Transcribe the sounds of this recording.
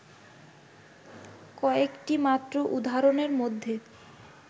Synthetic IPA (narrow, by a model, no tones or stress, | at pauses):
kɔekʈimat̪ːɾoʔud̪ʱaɾoneɾmod̪ʱːe